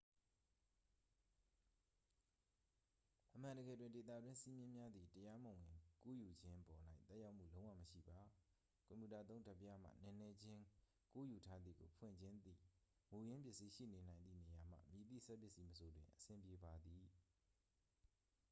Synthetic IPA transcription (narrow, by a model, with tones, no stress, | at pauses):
ʔəmã˨ndəɡɛ̰˦˨dwɪ̃˦˨nde˨t̪̬a̰˦˨dwɪ̃˦nsi˦mjɪ̃˦mja˦d̪ði˨təja˦mõ˨ɪ̃˨ku˦˨ju˨d͡ʑɪ̃˦ʔpɔ˨n̥a˦ɪʔt̪ɛ˦ʔja˦ʊʔm̥ṵ˦˨lõ˦ʊ̃wã̰˦˨məʃḭ˦˨ba˨ | kɔ̃˨mju˨ta˨t̪̬õ˦ʊ̃nda˦˨pːja˦m̥a̰˦˨nɛ̃˨nɛ˦d͡ʑɪ̃˦ | ku˦ju˨tʰa˦d̪ðḭ˦˨ɡo̰˨pʰwɪ̰̃˦˨ɲd͡ʑɪ̃˦nd̪ḭ˦˨ | mu˨jɪ̃˦mpjɪ˦ʔsi˦ʃḭ˦˨ne˨nã˨ɪ̃nd̪ðḭ˦˨ne˨ja˨m̥ä̰˦˨mi˨t̪ḭ˦˨sɛ˦pjɪ˦ʔsi˦məsʰo˨dwɪ̃˨ʔəsɪ̃˨mpje˨ba˨d̪i˨